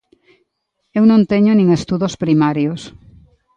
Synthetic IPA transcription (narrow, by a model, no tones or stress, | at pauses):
ewnõnt̪eɲonĩŋest̪uðospɾimaɾjos